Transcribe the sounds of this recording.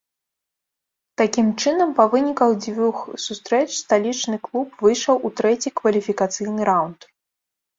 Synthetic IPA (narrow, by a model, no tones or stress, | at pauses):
t̪akʲimt͡ʂɨnɐmpɐvɨnʲikɐɣd͡zʲvʲuxsust̪ɾɛt͡ʂst̪alʲit͡ʂnɨklˠupvɨjʂɐwʔut̪ɾɛt͡sʲikvɐlʲifʲikat̪sɨjnɨɾawnt̪